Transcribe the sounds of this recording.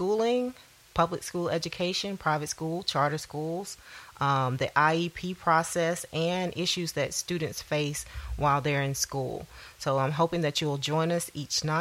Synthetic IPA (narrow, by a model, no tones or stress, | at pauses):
skulˠɪ̃ŋ | pʰʌblɨkskulˠɛd͡ʒɨkʰeɪʃɨ̃npʰɹ̥aɪvɨtskulˠt͡ʃʰɑɹɾə˞skulˠz̥ʔʌ̃mðiʔaɪipʰipʰɹ̥ɔsɛsɨ̃nʔɪʃʉzðɨtstʉdⁿn̩tsfeɪswʔaɪlˠðə˞ɨ̃nskṵlˠsoʊãɪ̃mɦoʊpɪ̃ŋðɨt͡ʃɨwl̩ˠd͡ʒɔ̃ɪ̃nʌsit͡ʃna